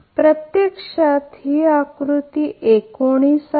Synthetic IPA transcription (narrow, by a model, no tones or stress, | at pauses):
pɾət̪jekʂat̪ɦiakɾut̪iʔekoɽ̃isa